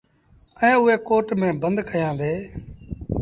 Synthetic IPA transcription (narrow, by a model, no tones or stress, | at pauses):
ɛ̃ːʊɦeːkoːʈmẽːbə̃nd̪kʰəjãːd̪eː